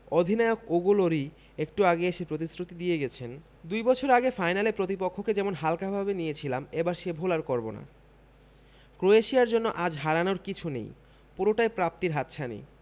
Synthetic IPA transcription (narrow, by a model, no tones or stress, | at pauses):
od̪ʱinaeokoɡoloɾi | ekʈuaɡeeʃepɾot̪̬isɾut̪id̪ijeɡɛt͡ɕʰen | d̪ujbɔt͡ɕʰoɾaɡefajnalepɾot̪ipokʰːoked͡ʑɛmonɦalkabʱabenijet͡ɕʰilamebaɾʃebʱolaɾkɔɾbona̰ | kɾoeʃijaɾd͡ʑonːoʔad͡ʑɦaɾanoɾkit͡ɕʰunḛj | puɾoʈajpɾap̚t̪iɾɦat̪ːt͡ɕʰanḭ